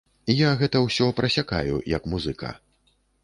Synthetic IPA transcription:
ijaɣɛt̪ɐwsʲɔpɾʔɐsʲaka̰jṵjɐkmuzɨkʰɐ̰

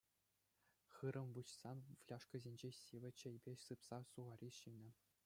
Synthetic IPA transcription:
χɯɾʔɤ̆mʋut͡ɕsɑnʋlʲɑʂkɤ̆zʲenʲd͡ʑeɕiʋʲɘ̆t͡ɕɘ̆jbʲesɯpsɑsuʁɑɾʲiɕinʲɘ̆

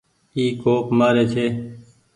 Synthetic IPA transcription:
iːkoːpmaːɾeːt͡ʃʰeː

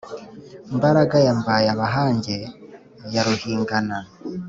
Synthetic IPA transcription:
mbaɾaɡajambajaβaɦaːɲɟe | jaɾuhiːŋɡana

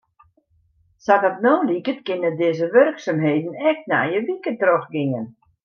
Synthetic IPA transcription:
satɔtnoːlikətkɪnədɪːzəʋørksamɦeːdən̩ɛk̚tna̰jəʋikətroxɡɪŋən

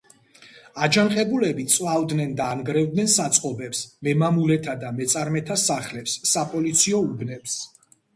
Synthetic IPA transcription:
ad͡ʒanqʼɛbulɛbit̪sʼwavd̪nɛnd̪aːnɡɾɛvd̪nɛnsat̪sʼqʼɔbɛpsmɛmamulɛt̪ʰad̪amɛt̪sʼaɾmɛt̪ʰasaχlɛpsːapʼɔlit̪sʰiɔubnɛps

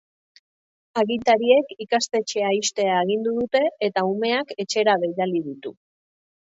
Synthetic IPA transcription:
aɣit̪aɾie̞kikast̪e̞t͡ʃe̞aist̪e̞aeɣ̞ind̪uðut̪e̞ːt̪aume̞ake̞t͡ʃe̞ɾaβe̞jðalið̞it̪u

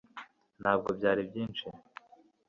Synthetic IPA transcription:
nhaːb̚ɡo̞bɟaːɾibɟiːnt͡ʃi

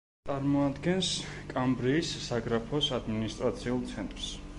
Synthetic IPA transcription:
t̪ʼaɾmɔad̪ɡɛnskʼambɾiːsːaɡɾapʰɔsad̪minist̪ʼɾat̪sʰiulˠt̪sʰɛnt̪ʼɾs

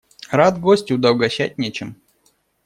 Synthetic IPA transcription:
ɾad̪ɡosʲtʲɪʊd̪ɐwɡɐɕæt̚ʲnʲet͡ɕɪm

